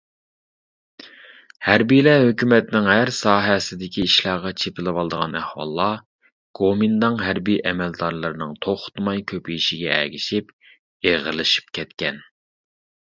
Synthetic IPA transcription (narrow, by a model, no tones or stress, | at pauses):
hæɾbijlɛɦøkʲymɛt̪nɪŋɦæɾsɑːɦɛsɪd̪ɪkʲiːʃlˠɑːʁɑt͡ʃʰepʰɪlɨwɑlˠɨd̪əʁɑ̰næhwɑ̰lˠːɑ | ɡ̥omind̪ɑŋɦæɾbijʔɛmɛld̪ɑɾlˠɨɾɨnɨŋt̪ʰoχt̪mɑjkʲʰøpijiʃiɡʲɛɛ̰ɡʲiʃip | eʁəɾlˠɨʃi̥p̚kʲʰɛt̪kʲɛn